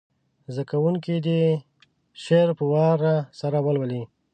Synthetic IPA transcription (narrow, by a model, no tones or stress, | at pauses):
zakawuŋkid̪ə | ʃeɾpəwɑɾasaɾawəlwəli